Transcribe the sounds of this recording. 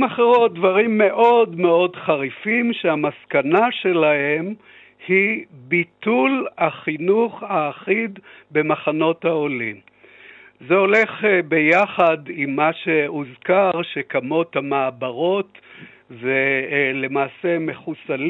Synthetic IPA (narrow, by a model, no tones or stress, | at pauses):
maχeʁot̚dvaʁimːe̞ʔo̞dme̞o̞dχaʁifimʃeamaskanaʃe̞lahe̞m | hibitulaχinuχaːχid̪be̞maχano̞t̪haolim | zeo̞le̞χbe̞jaχadimːaʃe̞uzkaʁʃekamo̞thamaːbaʁo̞t̪ | vele̞maːse̞me̞χusal